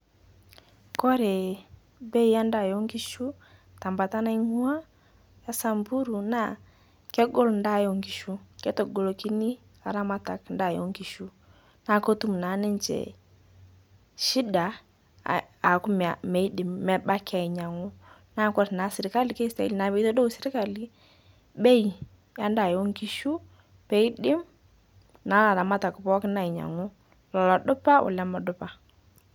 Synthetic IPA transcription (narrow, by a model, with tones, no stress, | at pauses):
kɔ˦ɾɛ˨ | bɛ˦i˦ja˦nda˦˨jɔ˦ŋɡi˦ʃu˦ | ta˨mba˨ta˦na˦i˦ŋu˦a˦ | ja˦sa˨mbu˦ɾu˨na̰˦˨ | kɛ˦ɡɔ˦lɔ˨nda˦˨jɔ˨ŋɡi˨ʃu˦kɛ˦tɔ˨ɡɔ˨lɔ˨ki˦ni˦ | a˨ɾa˦ma˦ta˨knda˦˨jɔ̰˦ŋɡi˨ʃu˦ | na˨kɔ˦tu˦m̩˨na˨˦nɛ˦ɲt͡ʃɛ̰˨ | ʃi˦da˨ | a˨kʊ˦m˨a˨me˨i˦dɪ˨mːɛ˦ba˦kɪ˦a˨ɪ˨ɲa˨ŋʊ˦ | na˦kɔ˦tna˨˦sɪ˨ɾɪ˨ka˦lɪ˨ke˦ɪ˦sta̰˨˦i˦lna˨be˦˨˦to˦do˦sɪ˦ɾɪ˦ka˦lɪ˦ | ɓe˦i˨ | ja˦nda˨jo˦ŋki˦ʃu˦ | pe˨˦i˦ɗɪ˦m | na˨˦la˨ɾa˨ma˦ta˨kpɔ˦kna˦˨ɪ˨ɲa̰˨ŋʊ˦ | lɔ˨lɔ˨dʊ˦pa˦ʔʊ̰˨la˦mɔ˨dʊ˦pa˨